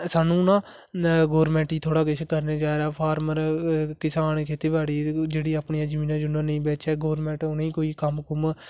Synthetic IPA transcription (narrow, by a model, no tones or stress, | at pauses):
saːnũːnãː | ɡoːɾmɛ̃ːɳʈiːt̪ʰoːɽaːkɪt͡ʃʰkəɾneːd͡ʒaːɾaːpʰaːɾməɾkɪsaːnkʰeːt̪eːbaːɽiːd͡ʒeːɽiːaːpɳijãːd͡ʒəmiːnãːd͡ʒʊnãːnəĩːbɛːt͡ʃɛːɡoːɾmɛ̃ːɳʈʊnĩːkoːiːkəmkʊm